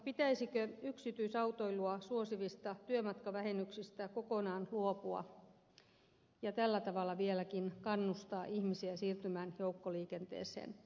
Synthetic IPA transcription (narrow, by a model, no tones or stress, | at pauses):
pit̪æisikøyksit̪yisɑut̪oiluɑsuosiʋist̪ɑt̪yømɑt̪kɑʋæhenyksist̪ækokonɑːnluopuɑ̰ | jɑt̪ælːæt̪ɑʋɑlːˑɑʋielækinkɑnːust̪ɑːʔihmisiæsiːrt̪ymæːnjoukːoliːkent̪ḛːsḛːn